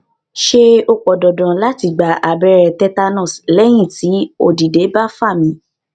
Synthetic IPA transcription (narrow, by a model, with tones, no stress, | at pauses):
ʃe˦o˧k͡pɔ˨dɔ˨dɔ̃˨la˦ti˧˨ɡ͡ba˨ʔa˨bɛ˧ɾɛ˧tɛ˦ta˦˧nɔ̃˦˨slɛ˦j̃ĩ˦˨ti˨˦o̰˦˨di˨de˨˦ba˦fa˦˨mĩ˨˦